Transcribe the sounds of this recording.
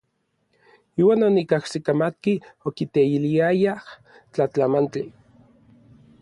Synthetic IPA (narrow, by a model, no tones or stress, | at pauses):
iːwaːnonikahsikamat̪̚kiokit̪eiliajah | t͡ɬat͡ɬamant͡ɬi